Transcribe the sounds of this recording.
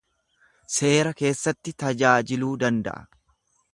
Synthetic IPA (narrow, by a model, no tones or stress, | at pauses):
se̞ːɾɐke̞ːsːɐt̪ːɪt̪ɐd͡ʒaːd͡ʒɪluːd̪ɐnd̪ɐ̰ʔɐ̰